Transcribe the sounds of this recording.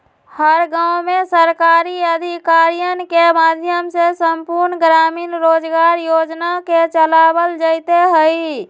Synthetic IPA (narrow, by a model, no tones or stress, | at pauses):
həɾɡawmesəɾkaɾiəd̪ʱikaɾijənkemad̪ʱjəmsesəmpuɾnɡɾaːmiːnɾoːd͡ʒɡaːɾjoːd͡ʒnaket͡ʃəlabəld͡ʒəɪt̪eɦəi